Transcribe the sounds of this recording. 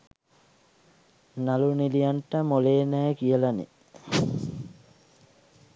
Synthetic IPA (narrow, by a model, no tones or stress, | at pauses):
nalunilijaɳʈəmoleːnɛːkijəlanḛ